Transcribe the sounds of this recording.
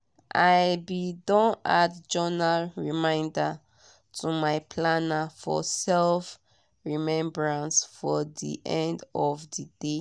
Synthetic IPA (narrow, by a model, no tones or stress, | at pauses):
ʔajbidɔ̃nadd͡ʒɔnalɹimãɪ̃nda | tʰumaɪpʰlanafɔ̰sɛlf | ɹimɛ̃mbɹãnsfɔdḭʔɛ̃ndɔvdid̥e